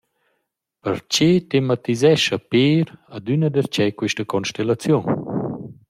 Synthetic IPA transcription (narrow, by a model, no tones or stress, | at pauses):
pəɾt͡ɕetemat̪izɛʃəpeːɾad̪ynəd̪əɾt͡ʃɛkwiʃtəkɔnʃtelat͡sjun